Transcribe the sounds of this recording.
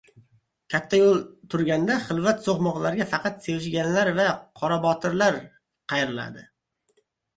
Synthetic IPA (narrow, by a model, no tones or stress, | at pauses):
kʲʰat̪ʰːajolˠt̪ʰʊɾɡʲand̪aχɪlˠvat̪soχmɒʁlˠaɾɡʲafɑqʰɑt̪sewɪʃɡʲanlaɾvaqʰɒɾabɒt̪ʰɪɾlaɾ | qʰɑjɾɪla̰d̪ɪ